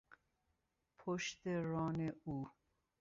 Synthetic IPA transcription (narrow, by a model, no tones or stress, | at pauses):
pʰoʃt̪eɾɔːneuː